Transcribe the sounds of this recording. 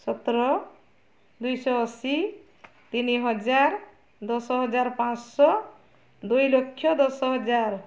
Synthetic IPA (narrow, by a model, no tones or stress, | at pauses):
sʌt̪ɾʌ | d̪ujsʌʌsi | t̪iniɦʌd͡zaɾ | d̪ʌsɦʌd͡zaɾpãt͡ssʌ | d̪ujlokʰːjʌd̪ʌsʌɦʌd͡zaɾ